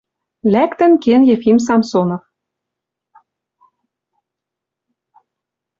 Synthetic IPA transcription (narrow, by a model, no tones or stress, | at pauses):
lækt̪ə̆nkenjefims̬ɑmsonof